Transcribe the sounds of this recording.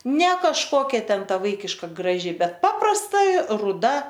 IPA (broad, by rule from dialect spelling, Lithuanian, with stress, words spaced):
nʲɛ kɐʃˈkoːkʲɛ ˈtʲɛn ˈtɐ ˈʋɐɪkʲɪʃkɐ ɡrɐˈʒʲɪ ˈbʲɛt ˈpɑːprɐstɐ rʊˈdɐ